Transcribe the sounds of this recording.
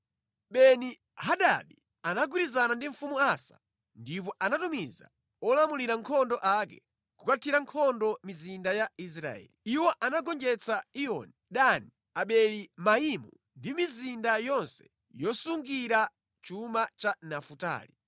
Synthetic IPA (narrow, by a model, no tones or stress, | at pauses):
ɓɛni | haɗa̰ɗi | anaɡwiɾizanandiɱ̩fumuasḁ̰ | ndip̬ɔʔanatumiza̰ | ɔlamuliɾaŋkʰɔndɔʔakɛ | kukatʰiɾaŋkʰɔndɔmizindajais̬ɾa̰ɛ̰ːliiwɔʔanaɡɔnd͡ʒɛt͡saiɔ̰niɗani | aɓɛlimaimu | ndimizindajɔnsɛ̥ | jɔsuŋɡiɾa | t͡ʃumat͡ʃanafuta̰ːli